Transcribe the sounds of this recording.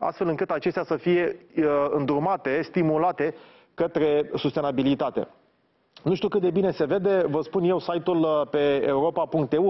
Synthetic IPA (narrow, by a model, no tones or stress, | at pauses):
a̰st̪fe̞lɨŋkɨt̪at͡ʃe̞st̪ʲasəfije̞ɨnd̪urmat̪e̞st̪imulat̪e̞ | kət̪ɾe̞sust̪e̞nabilit̪at̪e̞̰ | nuʃt̪iukɨt̪̚d̪ebine̞se̞ve̞d̪e̞vəspunje̞wsajt̪ulpe̞euɾo̞papuŋk̚t̪eu